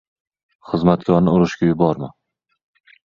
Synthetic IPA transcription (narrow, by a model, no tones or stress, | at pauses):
χɨzmat̪kʲɒɾnɪʊɾɪʃkʲajʊbɒɾmɪ